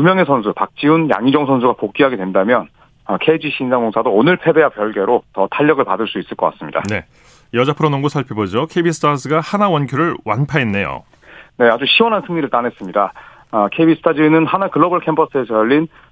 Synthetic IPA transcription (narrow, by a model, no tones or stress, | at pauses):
umjʌŋe̞sʰʌnsʰupak̚t͡ɕ͈iunja̰ŋid͡ʑʌŋsʰʌnsʰuɡapok͈iɦaɡedwendamjʌn | ʌkʰe̞d͡ʑiɕʰiːnsʰaŋɡoŋsʰadoːnɯɭpʰe̞be̞ɦapjʌɭɡe̞ɾotʌtʰaʎːʌɡɯɭpadɯɭs͈uis͈ɯɭk͈ʌk͈a̰s͈ɯmɲḭda̰ne̞ | jʌd͡ʑapʰɯɾʌnoŋɡosʰaɭpʰjebod͡ʑokʰeibisʰɯ̥tʰasʰɯɡahanawʌnkʰjoɾɯɭwʔanpʰaenːe̞jo̰ | ne̞ad͡ʑuɕʰiwʌnɦansʰɯŋɲiɾɯɭt͈ane̞s͈ɯmɲida | kʰebisʰɯ̥tʰad͡ʑinɯnhanakɯɭːʌbʌɭkʰempʰʌs͈ɯesʰʌjʌʎːin